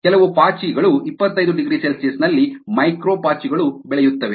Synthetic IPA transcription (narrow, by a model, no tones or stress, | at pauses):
kɛlɐʋupaːt͡ʃiɡɐɭuipːɐt̪ːɐjd̪uɖiɡɾiːselsesnɐlːimɐjkɾoːpaːt͡ʃiɡɐɭubɛɭɛjut̪ːɐʋe